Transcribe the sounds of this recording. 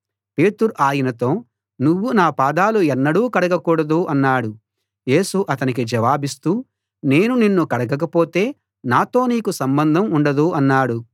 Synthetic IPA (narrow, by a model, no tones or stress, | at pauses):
pe̞ːt̪uɾuʔaːjɐnɐt̪o̞ː | nuʋːunaːpaːd̪aːluɛnːɐɽuːkɐɽɐɡɐkuːɽɐd̪uʔɐnːaːɽu | je̞ːsuʔɐt̪ɐnikid͡ʒɐʋaːbist̪uː | ne̞ːnuninːukɐɽɐɡɐk̬ɐpo̞ːt̪e̞ː | naːt̪o̞ːniːkusɐmbɐnd̪ʱɐmuɳɖɐd̪uɐnːaːɽu